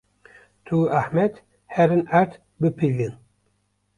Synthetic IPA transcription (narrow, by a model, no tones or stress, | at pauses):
t̪ʰuaħmɛd̪ | hɛɾɨnaɾt̪ | bɨpʰilin